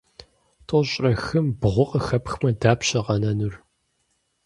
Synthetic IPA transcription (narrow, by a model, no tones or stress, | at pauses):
tʰʼoɕʼrɐxɨmbʁʷʊqʼəxɐpxmɐdaːpɕɐqɐnɐnur